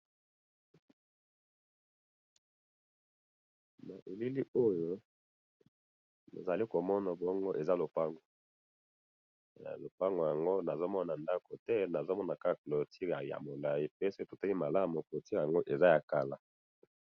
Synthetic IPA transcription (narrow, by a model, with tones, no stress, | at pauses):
na˨ʔe˨li˦li˦o˦jo˦ | no̰˨za˨li˦ko˨mɔ˦na˨bɔ˦ŋɡo˦ʔe˨za˦lo˨pa˦ŋɡo˨ | lo˨pa˦ŋɡo˨ja˨ŋɡo˦na˨zo˦mɔ˦na˨nda˦ko˨tɛ˦na˨zo˦mɔ˦na˨ka˦˨klo˨tʰi˦a˨ja̰˨mo˨la˨ji˦pe˦se˦to˨ta˦li˦ma˨la˦mo˨klo˨ti˦˨ja˨ŋɡo˦ʔe˨za˦ja˨ka˨la˨